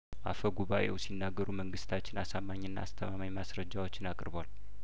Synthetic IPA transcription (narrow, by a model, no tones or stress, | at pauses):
ʔa̰fəɡuβaʔe̞̰wsinːaɡːəɾuməŋɡɨst̪ʰat͡ʃːɪnasamːaɲːɨnːa̰ast̪ʰəmamajmasɾəd͡ʒːawo̞t͡ʃːɪnakʼɾbal